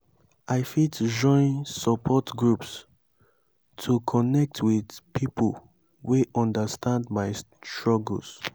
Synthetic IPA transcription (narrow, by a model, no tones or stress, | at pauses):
ʔaɪfitd͡ʒɔ̃ɪ̃nsəpʰɔtɡɹups | tʰukʰɔnɛk̚tʰwidpʰipʰəl | weʔɔ̃ndəstʰãndmaɪ | ttɹɔɡ̰l̩s